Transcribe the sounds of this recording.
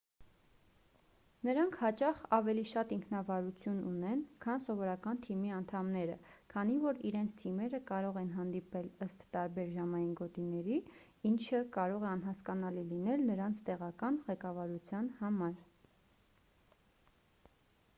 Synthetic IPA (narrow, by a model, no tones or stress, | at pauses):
nəɾɑŋkʰhɑt͡ʃɑχɑvɛliʃɑt̪iŋkʰnɑvɑɾut͡sʰjununɛnkʰɑnsɔvɔɾɑkɑnt̪ʰimiɑnt̪ʰɑmnɛɾə̰kʰɑn̪ivɔɾiɾɛnt͡sʰt̪ʰimɛɾəkɑɾɔʁɛnɦɑnd̪ipɛləst̪ːɑɾbɛɾʒɑmɑjinɡɔt̪inɛɾi | int͡ʃʰəkɑɾɔʁɛɑnɦɑskɑnɑlilinɛlnəɾɑnt͡sʰt̪ɛʁɑkɑnʁɛkɑvɑɾut͡sʰjɑnhɑmɑɾ